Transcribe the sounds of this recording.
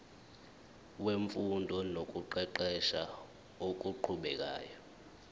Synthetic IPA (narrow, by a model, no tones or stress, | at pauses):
weɱfundʱɔnok̬ʼuǃɛǃɛʃa | ok̬ʼuǃʰuɓɛk̬ʼa̰ːjɔ